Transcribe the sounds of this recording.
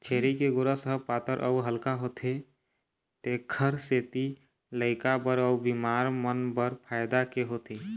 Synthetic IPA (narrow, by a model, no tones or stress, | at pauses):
t͡ʃʰeːɾikeɡoɾasəɦəpaːt̪əɾʔə̰uɦəlkaɦoːt̪ʰe | t̪eɡʰʱəɾseːt̪i | ləɪkabəɾəubimaːɾmənbəɾpʰaːɪd̪akeɦot̪e